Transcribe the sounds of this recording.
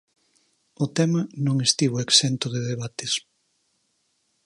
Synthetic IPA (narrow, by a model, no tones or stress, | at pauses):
ʊt̪ɛmɐnõŋest̪iβoeksent̪ʊðeðeβat̪es